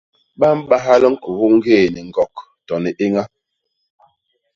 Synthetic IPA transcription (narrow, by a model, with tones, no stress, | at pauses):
ɓa˦m̩˦ɓa˦ɦa˦lə˦ŋ̩˦ku˨u˦ŋ̩˦ɡeː˦˨nɛ˨ŋ̩˨ɡɔ˨k | tɔ˨nɛ˨ʔe˦ŋa˦